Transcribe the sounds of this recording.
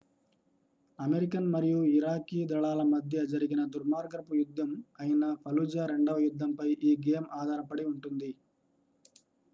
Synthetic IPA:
ɐmeɾikɐnmɐɾijuiɾaːkiːd̪ɐɭaːlɐmɐd̪ʱjɐd͡ʒɐɾiɡinɐd̪uɾmaːɾɡɐɾɐpujud̪ʱːɐmɐjɐnɐpʰɐlud͡ʒɐɾe̞ɳɖɐʋɐjud̪ʱːɐmpɐjʔiːɡejɐmaːd̪ʱaːɾɐpɐɽiuɳʈund̪i

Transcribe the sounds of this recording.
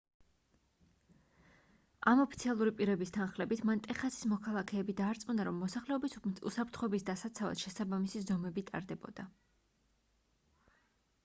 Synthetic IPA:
amɔpʰit̪sʰialˠuɾipʼiɾɛbist̪ʰanχlɛbit̪ʰmant̪ʼɛχasi̥smɔkʰalˠakʰɛːbid̪aːɾt̪sʼmunaɾɔmːɔsaχlɛɔbiṵsapʰɾt̪χɔɛbisd̪asat̪sʰava̰d̪ʃɛsabamisizɔmɛbit̪ʼa̰ɾd̪ɛbɔ̰d̪̥a

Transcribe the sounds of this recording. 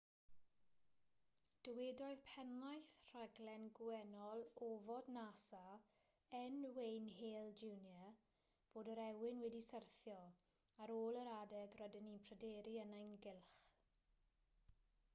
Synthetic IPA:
d̥əweːdɔjðpʰɛnlajθr̥aɡlɛnɡwɛnɔlˠovɔdnasa | ənwejnɦeːlˠd͡ʒunjə | b̥oːdəɾɛwɪnwɛdisərθjɔ | aɾoːlˠəɾadɛɡrɔdɪninpʰrədɛːɾiənajnɡɪlˠχ

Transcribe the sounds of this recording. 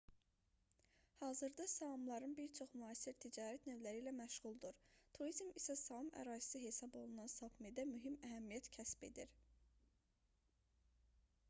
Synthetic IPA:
hɑːzɯɾd̪ɑsɑmlˠɑɾɯnbiɾt͡ʃʰo̞χmyɑːsiɾt̪ʰid͡ʒɑːɾæt̪nøvlæɾiːlæmæʃʁulˠd̪uɾt̪ʰuɾizmisæsɑɯmʔæ̰ɾɑːzi̥sɯɦe̞sɑbo̞lˠunɑnsɑpmed̪æmyɦimæɦæmijæt̪cʰæsbe̞̰d̪iɾ

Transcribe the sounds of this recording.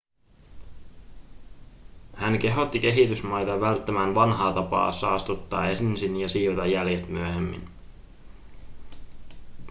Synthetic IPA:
hænk̟e̞ɦo̞t̪ːik̟e̞ɦit̪ysmɑjt̪ɑʋælt̪ːæmænʋɑnɦɑːt̪ɑpɑ̰ːsɑ̰ɑst̪ut̪ːɑːensinjɑsiːt̪ɑjːæljet̪myæɦemːḭn

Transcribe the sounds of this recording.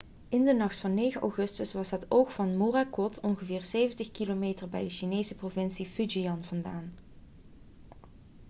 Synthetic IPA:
ɪndənɑχtfɑnːejχəʔa̰wχɵstəsʋɑsɦətowxfɑnmorakɔtʰɔnχəvɪːɹsejvəntəχkilomeːtərbɛ̰jdəʃinejsəprovɪnsifyd͡ʒiɑnv̥ɑndaːn

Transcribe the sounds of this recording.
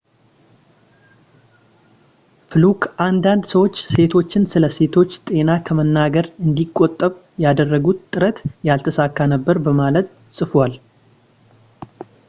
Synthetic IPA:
fɨlukʰʔand̪and̪səwo̞t͡ʃːse̞t̪ʰo̞t͡ʃːɪnsɨləse̞t̪ʰo̞t͡ʃːt̪ʼe̞nakʰəmənːaɡəɾɨnd̪ikʼːot̪ʼːəβ | jad̪ərːəɡut̪t̪ʼːɨɾət̪jalt̪ʰəsakːanəbːəɾbəmalət̪ | sʼɨfwal

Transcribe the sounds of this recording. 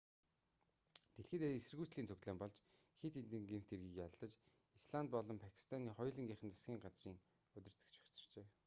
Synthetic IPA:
t̪eɮxĕːt̪eesɘ̆rɣuːt͡sɮiːnt͡sʰɵɣt̪ɮæːmpɔɮt͡ɕxet̪int̪ɘ̆ŋɡem̥ʰt̪ʰerɣiːkjaɮːə̆t͡ɕ | isɮant̪̚pɔɮɞ̆mpʰakʰi̥st̪ʰaniːχɔjɮə̆ŋɡʲiːχə̆nt͡sḁsɡʲiːŋɢat͡sriːŋ | ɵt̪̆ʲr̥t̪ɘ̥̆kt͡ɕʰi̥kt͡sɞ̥̆r̥t͡ɕeː

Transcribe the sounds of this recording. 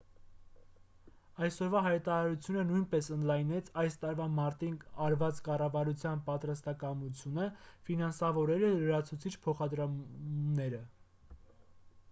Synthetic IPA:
ɑjsɔɾvɑɦɑjt̪ɑɾɑɾut͡sʰjunənujnpɛsənd̪lɑjnɛt͡sʰɑjst̪ɑɾvɑmɑɾt̪inɑɾvɑt͡skɑrɑvɑɾut͡sʰjɑnpɑt̪ɾɑst̪ɑkɑmut͡sʰjunəfinɑnsɑvɔɾɛɾələɾɑt͡sʰut͡sʰit͡ʃʰpʰɔχɑd̪ɾɑmnɛɾə

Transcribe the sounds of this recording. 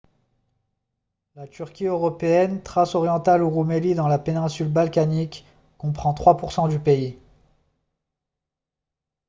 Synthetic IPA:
lat̪yʁkʲiøʁɔpeɛnt̪χasɔʁjɑ̃t̪aluʁumelid̪ɑ̃lapenɛ̃sylbalkanikː | ɔ̃pχɑ̃t̪χwapuʁsɑ̃d̪ypei

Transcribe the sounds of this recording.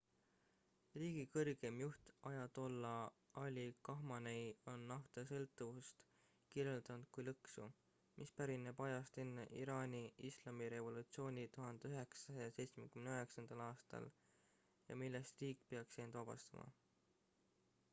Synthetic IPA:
riːɡ̥ikɤrɡ̥e̞mjuht̪ɑjɑt̪o̞lːɑɑlʲːikɑɦmɑnejo̞nːɑft̪esɤlt̪ːˑuvust̪ | kiɾjeld̪̥ɑnud̪̥̚kujlɤksu | mʔispæɾinebɑjɑst̪enːeʔḭɾɑːnʲiislɑmiɾe̞vo̞lut̪sio̞ːnʲit̪uɦɑnd̪̥eøɦe̞ksɑsɑjɑse̞jt̪sme̞kymneøɦe̞ksɑnd̪̥ɑlɑːst̪ɑ̰l | jɑ̰milːest̪riːkːˑpeɑkseːnd̪vɑb̥ɑ̰st̪ɑmʔɑ̰

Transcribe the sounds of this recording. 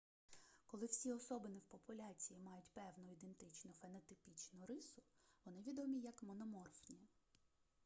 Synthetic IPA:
kɔlˠɪwsʲiɔsɔbɪnɪwpɔpʊlʲat͡sʲijimɑjʊtʲpɛwnʊid̪ent̪ɪt͡ʃnʊfenɔt̪ɪpʲit͡ʃnʊɾɪsʊʋɔnɪʋʲid̪ɔmʲijɐkmɔnɔmɔrfnʲi

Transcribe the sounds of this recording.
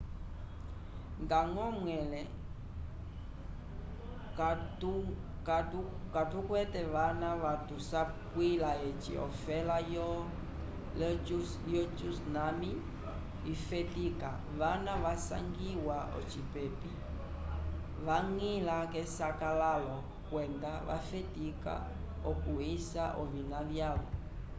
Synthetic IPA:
ŋɡaŋɔmwɛlɛ | katu | katukatukwɛtɛʋanaʋatusakwilaɛt͡ʃḭɔ̰fɛlajɔ | jɔt͡ʃusnami | ifɛtika | βanaʋasa̰ŋɡiwaɔ̰t͡ʃipɛpi | βaŋilakɛsakalalɔ | kwɛndaʋa̰fɛtika̰ | ɔkuisaʔɔvinavjalɔ

